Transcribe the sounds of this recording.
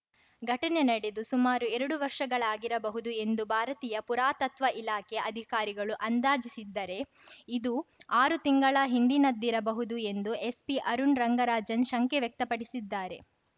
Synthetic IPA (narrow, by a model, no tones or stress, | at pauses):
ɡʱɐʈɐnenɐɽed̪usumaːɾuɛɾɐɽuʋɐɾʂɐɡɐɭaːɡiɾɐbɐɦud̪ue̞nd̪ubʱaːɾɐt̪iːjɐpuɾaːt̪ɐt̪ʋɐʔilaːkeʔɐd̪ʱikaːɾiɡɐɭuʔɐnd̪aːd͡ʒisid̪ːɐɾe̞ | id̪uaːɾut̪iŋɡɐɭɐɦind̪inɐd̪ːiɾɐbɐɦud̪ue̞nd̪ue̞spiʔɐɾunɾɐŋɡɐɾaːd͡ʒɐnʃɐŋkeʋjek̚t̪ɐpɐɽisid̪ːaːɾe̞